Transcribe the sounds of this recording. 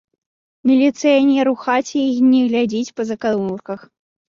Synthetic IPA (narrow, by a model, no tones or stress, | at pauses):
mʲilʲit̪sɨjanʲɛɾuxat͡sʲiixnʲɛɣlʲad͡zʲit͡sʲpɐzɐkaulkɐx